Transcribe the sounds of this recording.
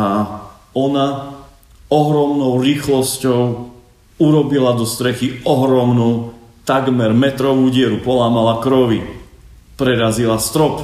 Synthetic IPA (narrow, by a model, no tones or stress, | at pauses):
a | ɔna | ɔɦɾɔmnɔʊɾiːxlɔscɔʊ | uɾɔbilad̪ɔst̪ɾɛxiʔɔɦɾɔmnut̪aɡmɛɾmɛt̪ɾɔʋuːɟɪɛɾupɔlaːmalakɾɔʋi | pɾɛɾazilast̪ɾɔp